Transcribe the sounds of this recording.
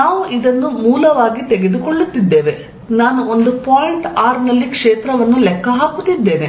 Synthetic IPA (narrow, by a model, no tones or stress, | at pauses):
naːʋuʔid̪ɐnːumuːlɐʋaːɡit̪ɛɡe̞d̪ukoɭːut̪ːid̪ːe̞ːʋe̞ | naːnuond̪upaːjiɳʈaːɾnɐlːikʂeːt̪ɾɐʋɐnːulɛkʰːɐɦaːkut̪ːid̪ːe̞ːne̞